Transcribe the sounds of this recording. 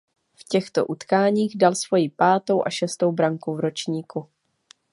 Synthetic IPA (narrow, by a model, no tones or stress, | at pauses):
fcɛxt̪o̞̰ʔut̪kaːɲiːɣdalsv̥o̞jipaːt̪o̞wʔaʃɛst̪o̞wbɾaŋkuvɾo̞t͡ʃɲiːku